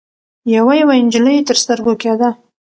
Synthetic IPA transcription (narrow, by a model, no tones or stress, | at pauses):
jawajawaɪnd͡ʒɪləjet̪əɾst̪əɾɡoked̪a